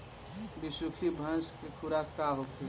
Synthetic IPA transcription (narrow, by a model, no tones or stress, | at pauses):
bisukʰibʱə̃nskekʰuɾakaɦokʰe